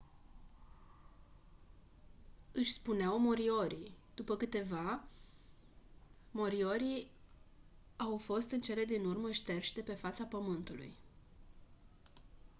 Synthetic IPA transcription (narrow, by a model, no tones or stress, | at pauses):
ɨʃʲspuneawmo̞ɾio̞ɾid̪upəkɨt̪e̞va | mo̞ɾio̞ɾi | awfo̞st̪ɨnt͡ʃe̞le̞d̪inurməʃt̪e̞rʃd̪e̞pe̞fat̪sapəmɨnt̪ulṵj